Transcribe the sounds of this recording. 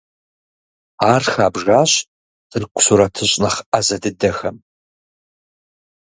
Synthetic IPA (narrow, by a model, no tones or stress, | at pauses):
aːrxaːbʒaːɕ | d̥ɨrkʷʰʊ̥ɕuɾɐtʰɨɕʼnɐχʔɐzɐdɨdɐxɐm